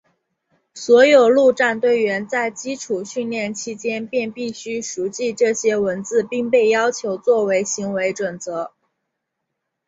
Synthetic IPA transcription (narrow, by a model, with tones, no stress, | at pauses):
swɔ˧˥jo˨˩ʊlu˥˧ʈ͡ʂa˥˧nt̪we˥˩ɪɥɛ˧˥nt͡sa˥˩ɪt͡ɕi˥ʈ͡ʂʰu˨˩ɕy˥˧nljɛ˥˩nt͡ɕʰi˥t͡ɕjɛ˥npjɛ˥˧npi˥˩ɕy˥ʂu˧˥t͡ɕi˥˧ʈ͡ʂɤ˥˩ɕjɛ˥wə˧˥nt͡sɹ̩˥˧pi˥˧ŋpe˥˩ɪjɑ˥ʊt͡ɕʰjo˧˥ʊt͡swɔ˥˩we˧˥ɪɕi˧˥ŋwe˧˥ɪʈ͡ʂwə˨˩nt͡sɤ˧˥